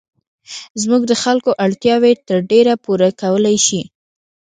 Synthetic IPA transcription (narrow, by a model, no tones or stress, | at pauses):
zmuɡd̪əxalkoʔaɽt̪jɑwet̪əɾɖeɾapuɾakawəlajʃi